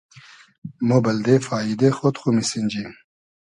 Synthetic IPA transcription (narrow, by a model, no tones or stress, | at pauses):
mobɐld̪efaːid̪exot̪χumisind͡ʑi